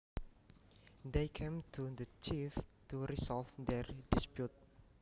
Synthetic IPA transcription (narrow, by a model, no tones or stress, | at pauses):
d̪ekʰẽmtʰudət͡ʃiftuɾisɔlvd̪ɛɹdispjut̚